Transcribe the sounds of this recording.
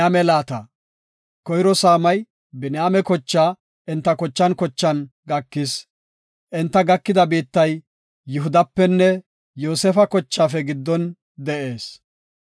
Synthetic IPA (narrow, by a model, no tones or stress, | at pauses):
aːmɛlaːt̪ɐ | kɔjɾɔsaːmɐj | bɪnjaːmɛkɔt͡ʃːaː | ʔɛnt̪ːɐkɔt͡ʃːɐnkɔt͡ʃːɐnɡɐkːɪs | ʔɛnt̪ːɐɡɐkːɪd̪ɐbiːt̪ːɐjː | ʊɦʊd̪ɐpːɛnːɛ | joːsɛfɐkɔt͡ʃːaːfɛɡɪd̪ːɔn | d̪ɛʔe̞ːs